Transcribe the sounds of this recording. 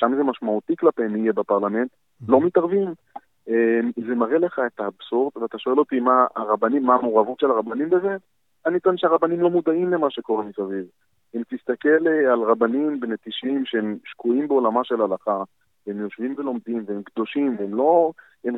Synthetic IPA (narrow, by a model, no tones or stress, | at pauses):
ʃamze̞maʃmaut̪iklapeemijebapaʁlame̞nt̪ | lo̞mit̪aʁvim | emze̞maʁele̞χaetaːbsoʁt̪veat̪aʃo̞e̞lot̪ima̰ːʁabanimːaːmoʁavut̪ʃelaʁabanimbeze̞ | anit̪nʃeaʁabanimlo̞mud̪aimle̞maʃe̞ko̞ʁemisaviv | emt̪ist̪ake̞lealʁabanimbenet̪iʃimʃeemʃkuimbeolamaʃe̞lalaχa | veemjo̞ʃvimve̞lo̞md̪imveemkd̪o̞ʃimveemlo̞ | em